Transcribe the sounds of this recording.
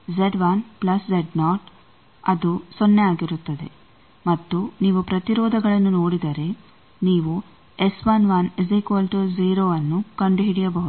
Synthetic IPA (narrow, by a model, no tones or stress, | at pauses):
zeɖʋɐnplɐszeɖnaːʈ | ɐd̪usonːeaːɡiɾut̪ːɐd̪e̞ | mɐt̪ːuniːʋupɾɐt̪iɾɔːd̪ʱɐɡɐɭɐnːuno̞ːɽid̪ɐɾe̞ | niːʋu | esʋɐnʋɐnezikʋɐlʈuziːɾoːɐnːukɐɳɖuɦiɽijɐbɐɦud̪